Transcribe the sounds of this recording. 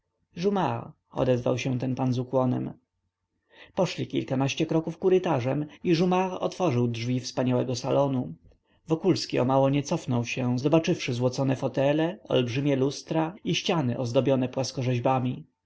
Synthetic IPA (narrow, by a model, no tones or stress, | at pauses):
ʐuma | ɔ̰d̪ɛzva̰wɕɛ̃t̪ɛnpanzukwɔnɛ̰m | pɔʂlʲikʲilkanaɕt͡ɕɛkɾɔkufkuɾɘt̪aʐɛmiʐumaʁɔ̰t̪fɔʐɘwdʐvʲifspaɲawɛɡɔsalɔnu | vɔkulskʲiɔ̰mawɔɲɛt̪sɔfnɔwɕɛzɔbat͡ʂɘfʂɘzwɔt̪sɔnɛfɔt̪ɛlɛɔ̰lbʐɘmʲjɛlust̪ɾaiɕt͡ɕanɘʔɔzd̪ɔbʲjɔnɛpwaskɔʐɛʑbamʲi